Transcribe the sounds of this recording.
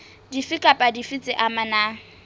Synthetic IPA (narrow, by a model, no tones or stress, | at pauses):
difɪkʼapʼadifit͡sʼɪʔamana